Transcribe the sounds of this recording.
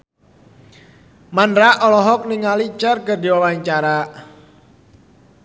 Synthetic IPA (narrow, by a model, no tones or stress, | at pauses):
manɾaʔɔlɔɦɔk̚niŋalit͡ʃərkərdiwawaɲt͡ʃaɾa